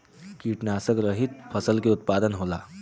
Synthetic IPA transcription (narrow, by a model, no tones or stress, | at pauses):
kiːʈnaːsəkɾəɦit̪̚fʰəsəlkiʊt̪̚paːd̪ənɦoːla̰ː